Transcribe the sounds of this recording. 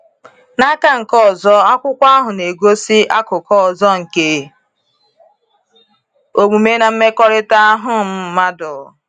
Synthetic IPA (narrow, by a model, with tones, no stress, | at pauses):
na˦ka˦ŋ̩˨kɔ˦˨zɔ˦a˦kʷʊ˦kʷa˦ɦʊ˨ne˨ɡo˦si˦a˦kʊ˨kɔ˦˨zɔ˦ŋ̩˨ke˦ | o˨ɡ͡bu˨me˦na˨m̩˦me˦kɔ˦ɾɪ˦ta˦ɦʊ˦m̩˦ma˦dɔ˨